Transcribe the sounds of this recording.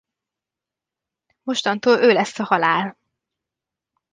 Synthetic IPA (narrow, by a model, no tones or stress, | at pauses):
mo̞ʃt̪ɒnt̪oːløːlɛsːɒhɒlaːl